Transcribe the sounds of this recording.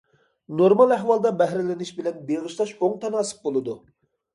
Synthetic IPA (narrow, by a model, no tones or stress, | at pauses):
noɾmɑlˠæɦwɑlˠd̪ɑbɛɦɾɪlɪnɪʃbɪlɛnbeʁɨʃlˠɑʃoŋt̪ʰɑnɑːsɨ̥p̚bolˠɨd̪u